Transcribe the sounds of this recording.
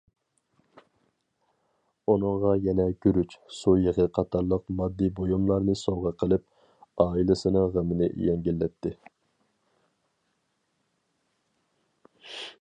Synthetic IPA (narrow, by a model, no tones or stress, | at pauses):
unɨŋʁɑjɛnɛkʲyɾyt͡ʃsujəʁəqʰɑt̪ʰɑɾlˠəqmɑd̪ːibojumlˠɑɾnɨsoʁəqʰəlˠɪp̚ | ɑːilˠɪsɨnɨŋʁəmɪnɪ̰jɛŋɡʲilːɛt̪ːɪ